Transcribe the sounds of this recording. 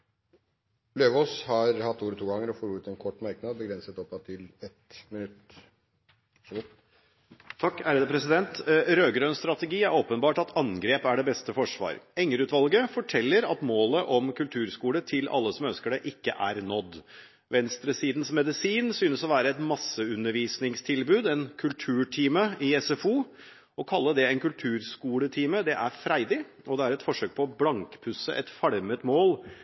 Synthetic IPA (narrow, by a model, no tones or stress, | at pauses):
løːʋoːshɑɾhɑt̪ːuːɾɔt̪ʰuːɡɑŋəɾɔfoːɾʉːt̪ɛnkʰɔʈːmæɾknɑːd̪bəɡɾɛnsət̪ɔp̪ːɑt̪ʰɪlɛt̪mɪnʉt̪ | ʂɡʊ | t̪ʰɑkːæːɾəd̪əpʰɾɛsɪd̪ɛnt̪ɾøːɡɾœʏnst̪ɾɑt̪ɛɡiːæɾoːpənbɑːʈɑt̪ʰɑŋɡɾeːpæɖɛbɛst̪əfɔʂʋɑ̰ːɾɛŋːəɾʉːt̪ʋɑlɡəfɔʈʰɛlːəɾɑt̪moːləʔɔmkʰʉlt̪ʰʉːɾskuːlət̪ʰɪlʔɑ̰lːəsɔmœnskəɖɛʔɪkːəʔæɾnɔd̪ː | ʋɛnst̪ɾəsiːd̪n̩smɛd̪ɪsiːnsyːnəsɔʋæːɾəɛt̪mɑsːəʉnːəɾʋiːsnɪŋst̪ʰɪlbʉːd̪ɛnkʰʉlt̪ʰʉːʈʰiːməɪɛsɛfuː | ɔkʰɑlːəd̪ɛɛɪnkʉlt̪ʰʉːɾskuːlət̪ʰiːməd̪ɛʔæɾfɾæɪd̪ɪ | ɔd̪ɛæɾɛt̪fɔʂøːk̚pʰɔblɑŋkpʰʉsə̰ʔɛt̪fɑɽmət̪moːl